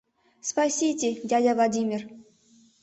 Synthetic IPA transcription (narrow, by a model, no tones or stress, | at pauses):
spasʲitʲedʲadʲɑvlˠadʲimʲer